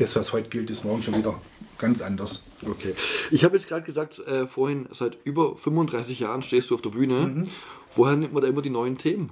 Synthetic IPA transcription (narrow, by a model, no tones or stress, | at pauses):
d̥asv̥ashɔʏtəɡ̥ɪltɪsmɔɐɡŋ̩ʃoːnviːdɐ | ɡ̥ant͡sʔandɐs | okʰeːʔɪçhaːbəjɛt͡sɡ̥ʁaːdɡ̥əzaːk̚tʔɛːfoːɐhɪnz̥aɪtʔyːbɐfʏmvʊndʁaɪsɪçjaːʁənʃteːstd̥uːaʊfd̥eɐbyːnə | v̥oːheːɐnɪmtmɐndaːʔɪmɐdiːnɔʏəntʰeːmən